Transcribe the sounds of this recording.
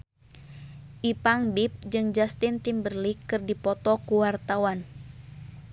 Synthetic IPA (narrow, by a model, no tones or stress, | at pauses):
ʔipaŋbip̚d͡ʒɨŋd͡ʒast̪int̪imbərlikɨrdipɔt̪ɔkuwart̪awan